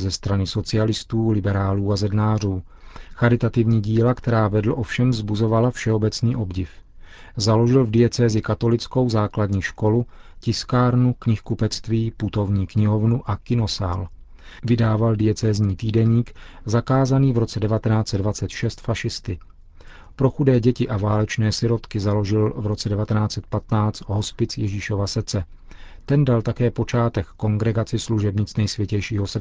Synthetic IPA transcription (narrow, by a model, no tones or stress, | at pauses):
zɛst̪ɾanɪso̞t͡sɪalɪst̪uːlɪbɛɾaːluːazɛdnaːruː | xaɾɪt̪at̪ɪvɲiːɟiːlakt̪ɛɾaːvɛdlʔo̞fʃɛmvzbuzo̞valafʃɛo̞bɛt͡sniːʔo̞bɟɪf | zalo̞ʒɪlvdɪjɛt͡sɛːzɪkat̪o̞lɪt͡sko̞wzaːkladɲiːʃko̞lucɪskaːɾnukɲɪxkupɛt͡st̪viːput̪o̞vɲiːkɲɪɦo̞vnuʔakɪno̞sa̰ːl | vɪdaːvaldɪɛt͡sɛːzɲiːt̪iːdɛɲiːk | zakaːzaniːvɾo̞t͡sɛdɛvat̪ɛnaːt͡sɛdvat͡sɛt̪ʃɛst̪faʃɪst̪ɪ | pɾo̞xudɛːɟɛcɪʔavaːlɛt͡ʃnɛːsɪɾo̞t̪kɪzalo̞ʒɪlvɾo̞t͡sɛdɛvat̪ɛnaːt͡sɛt̪̚pat̪naːt͡st̪ɦo̞spɪt͡sjɛʒiːʃo̞vasrt͡sɛ | t̪ɛndalt̪akɛːpo̞t͡ʃaːt̪ɛkːo̞ŋɡɾɛɡat͡sɪsluʒɛbɲɪt͡snɛjsvjɛcɛjʃiːɦosr